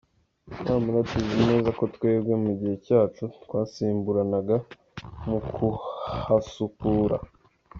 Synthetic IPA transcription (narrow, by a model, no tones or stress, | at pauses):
jaːmuɡatuzine̞ːzako̞t̪we̞ːbɡe̞muɟihe̞caːt͡ʃut̪waːsiːmbuɾanaɡa | mukʰuhasukuːɾa̰